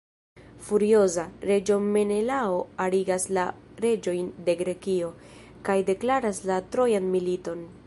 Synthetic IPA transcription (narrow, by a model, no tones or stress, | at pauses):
fuɾio̞zaɾe̞d͡ʒo̞me̞ne̞lao̞aliɡasla | ɾe̞d͡ʒo̞jnde̞ɡɾe̞kio̞ | kajde̞klaɾaslatɾo̞janmilito̞n